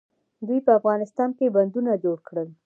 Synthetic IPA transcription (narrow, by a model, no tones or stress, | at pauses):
d̪ujpəafɣɑnɪst̪ɑnkeband̪unad͡ʒoɽkɽəl